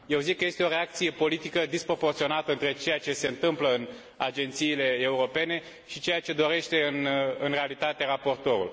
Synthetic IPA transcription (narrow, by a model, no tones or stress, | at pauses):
je̞wzikːəje̞st̪e̞oɾe̞ak̚t̪sije̞po̞lit̪ikəd̪ispɾo̞po̞rt̪sio̞nat̪əɨnt̪ɾe̞t͡ʃe̞jat͡ʃe̞se̞ɨnt̪ɨmpləɨn | ad͡ʒe̞nt̪siːle̞ːuɾo̞pe̞ne̞ | ʃit͡ʃe̞jat͡ʃe̞d̪o̞ɾe̞ʃt̪e̞ɨnɨnre̞alit̪at̪e̞ɾapo̞rt̪o̞ɾṵl